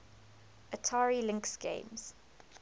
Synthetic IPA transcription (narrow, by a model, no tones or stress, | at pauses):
ʔətʰaːɹilɪ̃ŋksɡ̥ḛ̃ɪ̃mz̥